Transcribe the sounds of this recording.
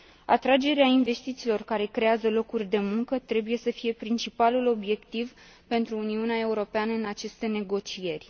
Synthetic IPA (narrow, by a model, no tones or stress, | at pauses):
at̪ɾad͡ʒe̞ɾeainve̞st̪it̪silo̞rkaɾe̞kɾe̞azəlo̞kurʲd̪e̞muŋkət̪ɾe̞buje̞səfije̞pɾint͡ʃipalulo̞bje̞kt̪iv | pe̞nt̪ɾuːniuneae̞uɾo̞peanəɨnat͡ʃe̞st̪e̞ne̞ɡo̞t͡ʃije̞rʲ